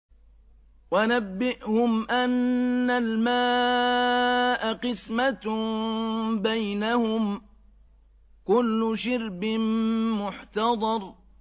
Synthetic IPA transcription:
wanabːɪʔhʊmʔanːalmaː | ʔaqɨsma | bajnahʊm | kʊlːʊʃɪɾbɪnmʊħt̪ɑd̪ˤɑɾˤ

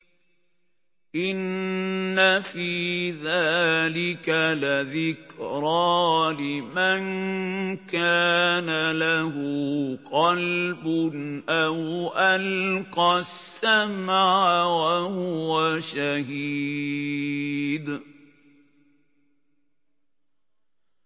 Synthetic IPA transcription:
ʔɪnː | afiːðaːlɪkalaðɪkɾɑːlɪman | kaːnalahʊqɑlbʊnʔawʔalqɑsːamaʕʕawahʊwaʃahiː | d̪

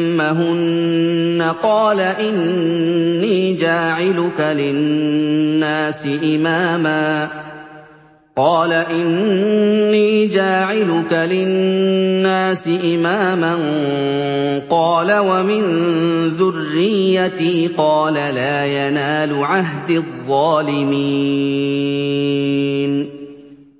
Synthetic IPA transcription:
aɦʊnː | aqɑːlaʔɪnː | iːd͡ʒaːʕɪlʊkalɪː | aːsɪʔɪmaːmaː | qɑːlaʔɪnː | iːd͡ʒaːʕɪlʊkalɪnːaːsɪʔɪmaːman | qɑːlawamɪnðʊrːɪjːat̪iːqɑːlalaːjanaːlʊʕaɦd̪ɪðˤːɑːlɪmi | n

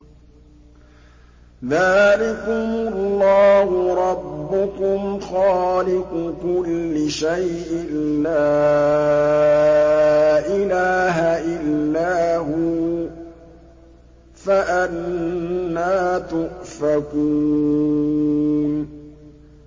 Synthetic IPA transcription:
ðaːlɪkʊmʊllˤːɑːhʊɾˤɑbːʊkʊmxɑːlɪqʊkʊlːɪʃajʔɪnlaː | ʔɪlaːɦaʔɪlːaːɦʊ | faʔanː | aːt̪ʊʔfakuː | n

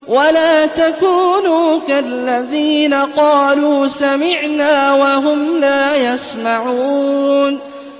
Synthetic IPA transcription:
walaːt̪akuːnuːkalːaðiːnaqɑːluːsamɪʕnaːwaɦʊmlaːjasmaʕuːn

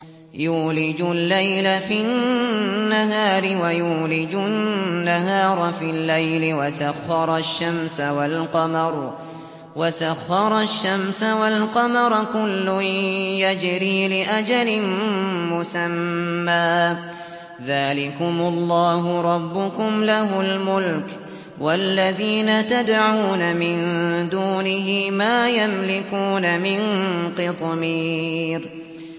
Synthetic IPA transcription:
juːlɪd͡ʒʊlːajlafi | nːaɦaːɾɪwajuːlɪd͡ʒʊnːaɦɑːɾˤɑfilːajlɪwasaxːɑɾˤɑʃːamsawalqɑmɑɾˤ | wasaxːɑɾˤɑʃːamsawalqɑmɑɾˤkʊlːʊjad͡ʒɾiːlɪʔad͡ʒalɪnmʊsamːaː | ðaːlɪkʊmʊlˤːɑːɦʊɾˤɑbːʊkʊmlaɦʊlmʊlk | walːaðiːnat̪ad̪ʕuːnamɪnd̪uːnɪɦɪmaːjamlɪkuːnamɪnqɨt̪ˤmiːɾ

